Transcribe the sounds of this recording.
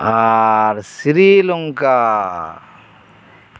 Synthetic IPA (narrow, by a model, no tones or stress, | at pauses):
aɾsiɾiːluŋkaː